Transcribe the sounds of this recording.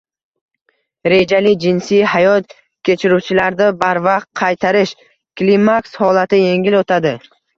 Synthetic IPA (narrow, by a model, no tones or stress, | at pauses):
ɾe̞d͡ʒalɪd͡ʒɪnsijhajɒt̪̚ | kʲʰe̞t͡ʃʰɪɾut͡ʃʰɪlaɾd̪abaɾvɑqt̪̚qʰːɑjt̪ʰaɾɪʃ | klimakshɒlat̪ɪje̞ŋɡʲɪlot̪ʰad̪ɪ